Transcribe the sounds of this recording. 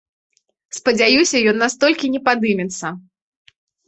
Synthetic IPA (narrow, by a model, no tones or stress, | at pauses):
spɐd͡zʲajusʲɐjɔnːast̪ɔlʲkʲinʲɛpad̪ɨmʲɛt̪sːɐ